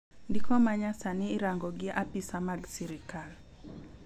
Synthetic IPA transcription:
ndɪkɔmaɲasanɪːɾaŋɡɔɡɪʔapisamaɡsiɾikal

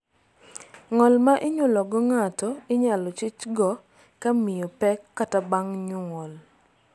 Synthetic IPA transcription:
ŋɔlmaʔɪɲʊlɔɡɔŋatɔɪɲalɔt͡ʃit͡ʃɡɔ | kamɪjɔpɛkːatabaŋɲuŋɔl

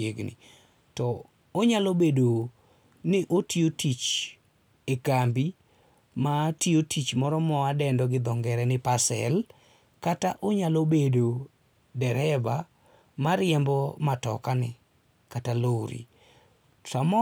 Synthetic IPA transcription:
eɡnɪ̰ | tɔ | oɲalobedo | nɪʔotʰiotit͡ʃ | ekambi | matiotʰit͡ʃmɔɾɔmɔadɛndɔɡɪd̪ɔŋɡɛɾɛnɪpasɛ̰l | kataʔoɲalobedo | dɛɾɛba | maɾɪɛmbɔmatɔ̰kanɪ | kataloɾḭ | tamɔ

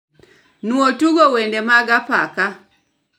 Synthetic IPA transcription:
nuɔtuɡɔwɛndɛmaɡapaka

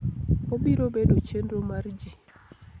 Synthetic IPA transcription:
obiɾobedot͡ʃenɾomard͡ʒi

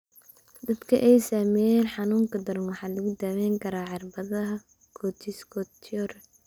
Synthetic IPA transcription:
d̪ɐd̪kʰɐʔɛjsaːmɛjɛːnħɑnuːŋkʰɐd̪ɐrnwɑħɑːlɐɣʊd̪aːmɛjŋkʰɐɾaːʕɑrbɐðɐɦɐ | kʰɔt̪ʰiskʰɔt̪ʰɔr

